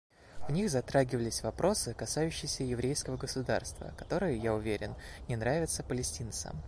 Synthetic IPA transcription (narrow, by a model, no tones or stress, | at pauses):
vnʲixzɐt̪ɾaɡʲɪvəlʲɪsʲvɐpɾʔo̞sɨkɐsajʉɕːɪjɪsʲəjɪvɾʲejskəvəɡəsʊd̪a̰rst̪və̰kɐt̪o̞ɾɨjɪjaʊvʲeɾʲɪnnʲɪnɾavʲɪt̪səpəlʲɪsʲtʲint̪sə̰m